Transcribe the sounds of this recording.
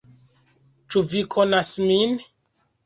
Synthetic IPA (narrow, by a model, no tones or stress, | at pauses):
t͡ʃuvikʰonasmin